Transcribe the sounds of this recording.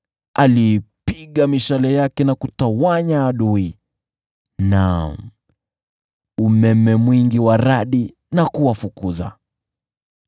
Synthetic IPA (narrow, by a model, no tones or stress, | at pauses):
a̰lipiɠamiʃalɛjakɛnakutawaɲaːɗui | nam̩ | umɛmɛmwiŋɡiwaɾaɗi | nakuwafukuza̰